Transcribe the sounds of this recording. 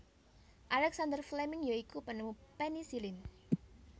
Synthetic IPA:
ʔalɛksand̪ərflɛmɪŋjoikupənəmupɛnisilɪn

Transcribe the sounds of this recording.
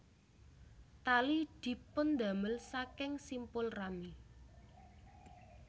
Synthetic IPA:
t̪alid̪̥i̤pʊnd̪ä̤məlsakɪŋsimpʊlrami

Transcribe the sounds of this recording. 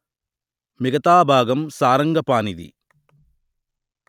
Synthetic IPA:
mɪɣɐt̪aːbʱaːɡɐmsaːɾɐŋɡɐpaːnɪðḭ

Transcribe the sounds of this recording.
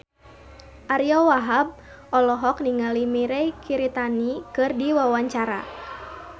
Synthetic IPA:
ʔaɾiɔwaɦab̚ | ʔɔlɔɦɔk̚niŋalimiɾɛjkʰiɾit̪anikɨrdiwawaɲt͡ʃaɾa̰

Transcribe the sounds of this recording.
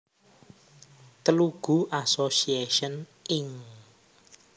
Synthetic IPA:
t̪əluɡ̥ṳʔasosieʃənɪŋ

